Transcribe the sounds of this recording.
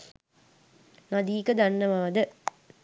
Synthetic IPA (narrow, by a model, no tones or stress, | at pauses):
nɐd̪iːkəd̪ɐnːəʋaːd̪ə